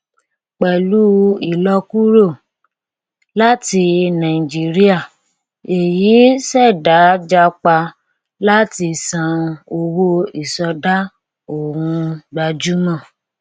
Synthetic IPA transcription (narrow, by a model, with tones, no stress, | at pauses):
k͡pɛ˨lu˦i˨lɔ˧ku˦ɾo˦˨ | la˦ti˧nã˨ĩ˨d͡ʒi˨˦ɾi˦a˦˨ | e˨ji˨˦sɛ˦˨da˨˦d͡ʒa˧k͡pa˧ | la˦ti˧sã˧o˧wo˦i˨sɔ˧da˦ | o˨w̃ũ˧ɡ͡ba˧d͡ʒu˦mã˦˨